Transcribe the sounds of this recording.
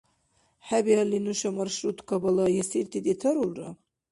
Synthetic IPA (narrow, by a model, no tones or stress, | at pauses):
ħabialinuʃamarʃrut̪ʰʼkʰabalajasiɾt̪ʰit̪ʼit̪ʰɐɾulra̰